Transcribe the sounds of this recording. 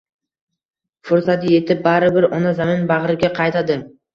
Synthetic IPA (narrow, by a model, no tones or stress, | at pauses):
fʊɾsat̪ɪje̞t̪ʰɪp̚baɾɪbɪɾɒnazamɪnbaʁɾɪɡʲaqʰɑjt̪ʰad̪ɪ